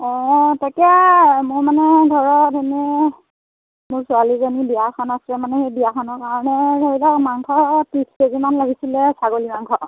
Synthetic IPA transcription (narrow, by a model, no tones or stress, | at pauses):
ɔ̃takamʊɹmanɛdʱɔɹɔdenɛ | mʊɹsʊalizanibijakʰɔnasɹɛmanɛxejbiakʰɔnɔɹkaɹɔnɛdaɹilɔmaŋkʰɔpɹiskezimanlaɡʱisilɛsaɡolimaŋkʰɔ